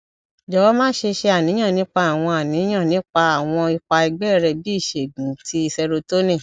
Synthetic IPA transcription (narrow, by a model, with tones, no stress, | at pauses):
d͡ʒɔ˨wɔ˦mãː˦ʃe˧ʃe˧a˨nĩ˨˦ã˦˨nĩ˨˦k͡pa˧a˨w̃ɔ̃˧a˨nĩ˨˦j̃ã˦˨nĩ˨˦k͡pa˧a˨w̃ɔ̃˧i˧k͡pa˧i˧ɡ͡bɛ˦˨ɾɛ˧bi˦i˦˨ʃe˨ɡũ˨˦tʰi˧˦i˧sɛ˧ɾo˧to˦nĩ˦˨